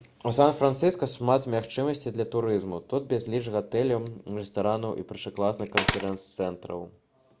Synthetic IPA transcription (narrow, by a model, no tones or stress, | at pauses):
usanfɾant̪sɨskɐʂmat̪mʲaxt͡ʂɨmɐsʲt͡sʲid̪lʲɐt̪uɾɨzmut̪ud̪̚bʲɛzʲlʲit͡ʂɣat̪ɛlʲɐrɛst̪aɾanɐwʔḭpʲɛrʂɨklˠasnɨxkɐnfʲɛɾɛnt̪st̪sɛnt̪ɾɐ̰w